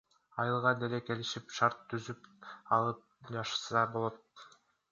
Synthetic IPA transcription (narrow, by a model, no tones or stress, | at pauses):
ɑjɯlˠʁɑd̪eleke̞liʃipʃɑɾt̪ʰːyzypɑlˠɯp̚d͡ʒɑʃɯ̥sɑbo̞lˠot̪̚